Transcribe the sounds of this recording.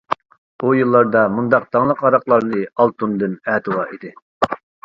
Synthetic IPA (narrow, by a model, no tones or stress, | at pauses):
ujɨlˠːɑɾd̪ɑmund̪ɑq̚t̪ʰɑŋlˠəqɑɾɑqlˠɑɾnɨɑlˠt̪ʰund̪ɨnɛːt̪ʰɨwɑʔid̪ɪ